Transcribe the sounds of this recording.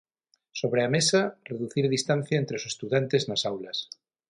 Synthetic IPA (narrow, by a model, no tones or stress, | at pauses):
so̞β̞ɾeamesareðuθiɾðist̪an̟θjaent̪ɾeosest̪uðjant̪eznasawlas